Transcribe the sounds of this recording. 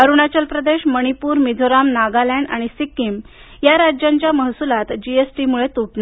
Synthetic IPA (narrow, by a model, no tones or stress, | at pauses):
əɾuñat͡ɕəlpɾəd̪eɕməɽ̃ipuːɾmid͡zʱoɾamnaɡalaɳɖa̰ɽ̃isikːim | jaɾad͡ʑjaɲt͡ɕjaməɦsulat̪d͡ʑiesʈimuɭet̪uʈna